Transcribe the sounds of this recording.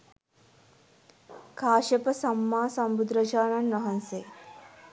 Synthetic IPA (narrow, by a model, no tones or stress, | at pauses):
kʰaːʃɐpəsɐmːaːsɐmbud̪ɾɐd͡ʒaːnɐnːɐɦɐnse